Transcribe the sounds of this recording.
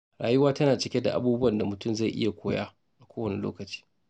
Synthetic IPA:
ɾaː˨jʊ˦waː˦tɐ˦naː˨t͡ʃɪ˦kʲe˦da̰˨ʔa̰˦buː˦bʊ˦wɐ˨nda˨mʊ˨tʊ˦˨mza˦˨jʔɪ̰˦ja˨kʷʰoː˦ja̰ː˦ | ʔa˨kʷoː˦wɐ˨ne˦lo̰ː˦kɐ˨t͡ʃi̥ː˦

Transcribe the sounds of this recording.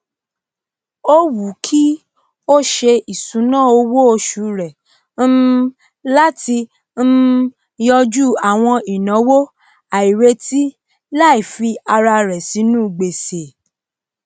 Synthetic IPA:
o˦wu˨˦kʰi˦ | o˦ʃe˧i˨sũ˨˦nãː˦˨o˧wo˦o˧ʃu˨˦ɾɛ˨ | n̩˦ | la˦ti˧ | n̩˦ | jɔ˧d͡ʒu˦˨a˨w̃ɔ̃˧i˨nã˨˦wo˦ | a˨i˨ɾe˧˦ti˦ | la˦˨i˨fi˧a˧ɾa˧ɾɛ˨si˨˦nũ˦˨ɡ͡be˨se˨

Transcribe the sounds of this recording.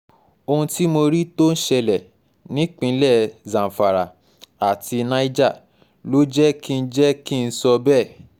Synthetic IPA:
o˧hũ˧ti˦mo˧ɾi˦to˦n̩˦ʃɛ˧lɛ˨ | nĩ˨˦k͡pĩ˧˦lɛ˦˨zã˨fa˨ɾa̰˨ | a˨ti˧nã˦i˦d͡ʒa˦˨ | lo˦d͡ʒɛ˦kʰi˦˧˦d͡ʒɛ˦ki˦˧n̩˧˦sɔ˧bɛ˦˨

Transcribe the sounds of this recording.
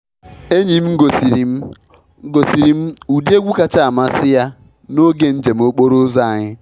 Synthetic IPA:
e˦ɲi˨m̩˦ɡo˨si˨ɾi˨m˦ | ɡo˨si˨ɾi˨m̩˦u˨di˦e˦ɡʷu˦ka˦t͡ʃa˦˨a˨ma˦sɪ˦ja˦ | no˦ɡe˨n̩˦d͡ʒe˨m̩˦o˦k͡po˦ɾo˦za˦˨a˨ɲɪ˦

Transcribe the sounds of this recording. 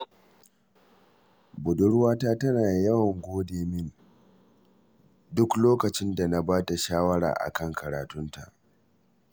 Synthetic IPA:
bʊ˨dʊ˦ɽwaː˦taː˦tɐ˦naː˨jɐ˦wɐ˨ŋɡʷoː˦deː˨mɪ˦n | dʊ˦kloː˦kɐ˨t͡ʃɪ˦nda˨na˨baː˦ta˨ʃaː˦wɐ˦ɽa̰ː˨ʔa̰˨kɐ˦˨ŋkʰɐ˨ɾa̰ː˨tʊ˦nta̰˨ʔ

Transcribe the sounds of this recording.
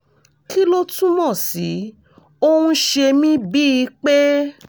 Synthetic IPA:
ki˦lo˦tũ˦mɔ̃˦˨si˨˦ | o˦wũ˦ʃe˧mĩ˦bi˦i˧˦k͡pe˦

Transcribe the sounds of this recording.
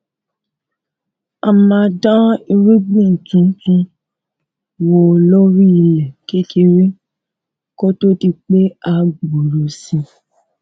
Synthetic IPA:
a˧˨mã˧˦dã˦i˧ɾi˦ɡ͡bĩ˦˨n̩˨tũ˨˦tũ˧ | wɔ˧lɔ˦ɾi˦i˨lɛ˨ke˦ke˧ɾe˦ | ko˦to˦ti˧k͡pe˦a˨˧ɡ͡bo˨ɾo˨sĩ˧

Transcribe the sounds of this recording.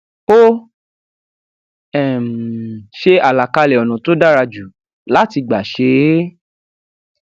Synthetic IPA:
o˦ | ɛ˨mʃe˧a˨la˨ka˧lɛ˨ɔ˨nũ˨to˦da˦ɾa˧d͡ʒu˨ | la˦ti˧ɡ͡ba˨ʃe˨˦

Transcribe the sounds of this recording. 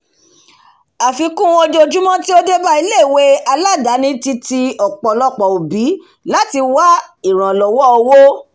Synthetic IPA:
a˨fi˧kũ˦o˧d͡ʒo˧˨d͡ʒu˦mɔ̃˦ti˦o˦de˦ba˦i˧le˦˨we˦a˧la˦˨da˨˦nĩ˦ti˧ti˧ɔ˨k͡pɔ˨lɔ˦k͡pɔ˨o˨bi˨˦ | la˦ti˧wa˦i˨ɾ̃ã˨lɔ˨wɔ˦ɔ˧wo˦

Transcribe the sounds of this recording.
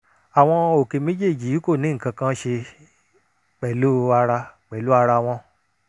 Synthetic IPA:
a˨w̃ɔ̃˧o˨ke˨˧mĩ˦d͡ʒe˦˨d͡ʒi˨˦ko˦˨nĩ˨˦ŋ̩˨kã˧kã˦ʃe˧ | k͡pɛ˨lu˦a˧ɾa˧k͡pɛ˨lu˦a˧ɾa˧w̃ɔ̃˧

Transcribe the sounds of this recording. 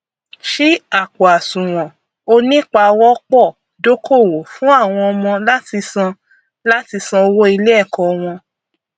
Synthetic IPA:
ʃi˦a˦˨k͡po˨a˨sũ˨w̃ɔ̃˨ | o˧nĩ˦k͡pa˧wɔ˦k͡pɔ˦˨ | do˦kʰo˦˨wo˨fũ˦a˦˨w̃ɔ̃˧ɔ˧mɔ̃˧la˦ti˧sã˧ | la˦ti˧sã˧o˧wo˦i˧lɛ˦ɛ˦˨kɔ˨˧w̃ɔ̃˧

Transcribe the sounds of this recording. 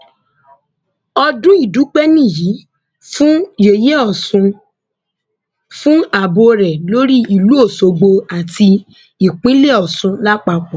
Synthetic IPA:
ɔ˧dũ˦i˦˨du˨˦k͡pɛ˦nĩ˦˨ji˨˦ | fũ˦je˨je˦ɔ˨sũ˧ | fũ˦a˨bo˧ɾɛ˨lo˦ɾi˦i˨lu˨˦o˦˨so˧ɡ͡bo˧a˨ti˧ | i˨k͡pĩ˦le˦ɔ˨sũ˧la˦k͡pa˧k͡pɔ̃˨

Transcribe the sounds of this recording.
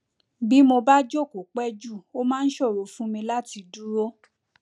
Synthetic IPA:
bi˦mo˧ba˦d͡ʒo˦˨ko˨k͡pɛ˦d͡ʒu˦˨o˦mãː˦˧n̩˦ʃɔ˦˨ɾo˨fũ˦mĩ˧la˦ti˧du˦ɾo˦

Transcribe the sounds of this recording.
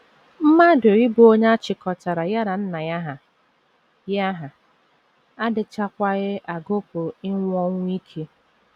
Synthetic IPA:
m̩˦ma˦dʊ˨ɾɪ˦bʊ˦o˦ɲ˦a˦t͡ʃɪ˨kɔ˨ta˨ɾa˨ja˦ɾa˨n̩˦na˨ja˦ɦa˨ | ja˦ɦa˨ | a˦dɪ˨t͡ʃa˦kʷa˦ɣɪ˦ʔa˨ɡo˦pʊ˨ɪ˦ŋʷɔ˦ŋʷ˦i˦kʰe˦

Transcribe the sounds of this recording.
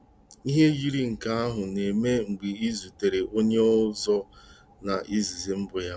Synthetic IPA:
i˦ɦe˦ɣi˦ɾi˦ŋ̩˨ka˦a˦ɦʊ˨ne˨me˦ŋ͡m̩˨ɡ͡bi˨i˦zu˨te˨ɾe˨ʔo˦ɲe˦ʊ˦zɔ˦ | na˨ʔi˦zi˨zi˨m̩˦bʊ˨ja˦

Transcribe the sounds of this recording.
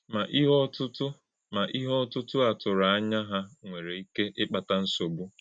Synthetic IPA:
ma˨ʔi˦ɦɔ˦tʊ˦tʊ˦ | ma˨ʔi˦ɦɔ˦tʊ˦tʊ˦a˨tʊ˨ɾa˨a˦ɲa˦ɦa˦ŋʷe˨ɾe˨i˦ke˦ʔɪ˦k͡pa˨ta˦n̩˦so˨bu˦

